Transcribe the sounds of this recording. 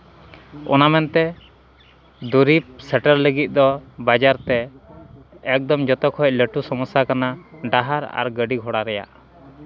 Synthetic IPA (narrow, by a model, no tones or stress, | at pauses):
ɔ̰namɛnt̪ɛ | d̪uɾip̚sɛʈəɾləɡit̪̚ˀd̪ɔbad͡ʒaɾt̪ɛː | k̚d̪ɔmd͡ʒɔt̪ɔkhɔc̚ləʈusɔmɔsakanaɖaɦaɾa̰ɾɡəɖiɡʱɔɽaɾɛja̰ʔ